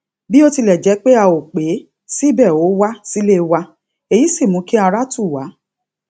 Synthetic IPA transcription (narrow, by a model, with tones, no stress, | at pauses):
bi˦o˧ti˧lɛ˨d͡ʒɛ˨˧˦k͡pe˦a˧o˨k͡pe˨˦ | si˦bɛ˦˨o˨˦wa˦si˦le˦wa˧ | e˨ji˨˦si˦˨mũ˨˦ki˦a˧ɾa˦tu˦˨wa˨˦